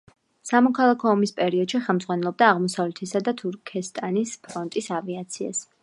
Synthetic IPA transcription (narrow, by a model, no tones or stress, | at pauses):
samɔkʰalˠakʰɔːmispʼɛɾiɔd̪̥ʃiχɛlˠmd̪zʁwanɛlˠɔb̚d̪aːʁmɔsavlɛt̪ʰɛsad̪at̪ʰuɾkʰɛst̪ʼanispʰɾɔnt̪ʼisaviat̪sʰia̰s